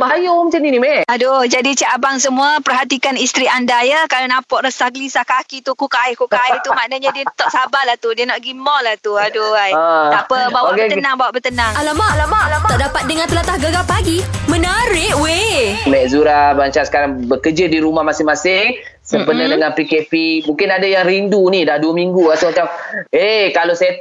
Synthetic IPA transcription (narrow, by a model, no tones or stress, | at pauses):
baɦajomət͡ʃaninimɛʔadod͡ʒadit͡ʃaʔabaŋs̬əmuapərɦat̪ikanist̪ɾiandajəkalanapɔʔɾəsahɡəlisahkakit̪ukukaɪhkukaɪht̪umanəɲadiət̪ɔʔsabalaht̪udiənɔʔɡimɔlaht̪uadoajəapəbawaət̪ənaŋbawaʔbət̪ənaŋalamalamat̪ɔʔdapat̪̚dəŋãnt̪əlat̪ahɡəɡapaɡimənəɾɪʔwemɛʔzuɾabaɲt͡ʃasə̥kaɾaŋbəkəd͡ʒədiɾumahmasɪhmasɪŋ | səmpənədəŋanpikepimũŋkɪnadajaŋɾindunidahduəmiŋɡuasumat͡ʃamekalosaja